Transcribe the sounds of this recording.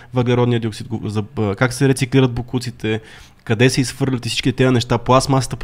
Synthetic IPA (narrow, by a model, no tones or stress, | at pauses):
vɛɡlʲɛɾɔd̪nijəd̪ioksit̪̚ɡozɐkaksɛɾɛt̪sikliɾəd̪̚bokut̪sit̪ʰɛ | kɐd̪ɛsɛisfɤɾlʲət̪isit͡ʃkit̪ɛt̪ɛənɛʃt̪apoasmasə̥t̪əp